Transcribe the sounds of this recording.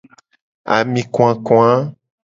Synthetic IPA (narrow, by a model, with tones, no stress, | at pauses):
a̰˨mĩ˨kõ˦ã˨kɔ̃˦ã˦